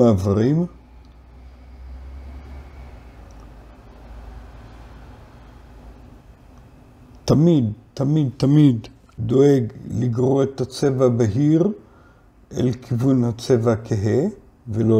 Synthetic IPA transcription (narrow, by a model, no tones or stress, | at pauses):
aavaʁim | tamid̪t̪amid̪̚t̪amid̪ː | oeɡliɡʁoet̪at͡se̞vabeɦiʁ | ʔḛlkʰivunhat͡sevakʰeɦe | velo